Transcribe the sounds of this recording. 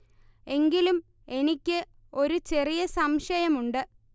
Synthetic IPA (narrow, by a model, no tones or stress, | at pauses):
e̞ŋɡilum | e̞nikʲːɨ | o̞ɾut͡ɕe̞rijɐsɐmʂɐjɐmuɳɖɨ